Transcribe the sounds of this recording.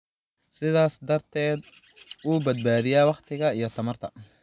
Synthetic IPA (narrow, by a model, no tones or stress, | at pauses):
sɪðaːsd̪ɐrt̪ʰɛːd̪ | uːbɐd̪̚baːðɪjaːwɑqt̪ʰɪɣɐijɞt̪ʰɐmɐrt̪ʰɐ